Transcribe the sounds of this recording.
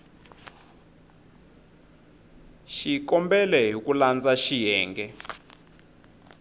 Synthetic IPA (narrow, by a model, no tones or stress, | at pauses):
ʃikɔmbɛlɛɦukʼuland͡zaʃijɛːŋɡɛ